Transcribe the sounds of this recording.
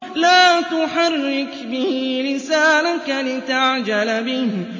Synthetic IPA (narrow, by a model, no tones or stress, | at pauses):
laːt̪ʊħɑrˤːɪkbɪhlɪsaːnakanɪt̪aʕd͡ʒalbɪh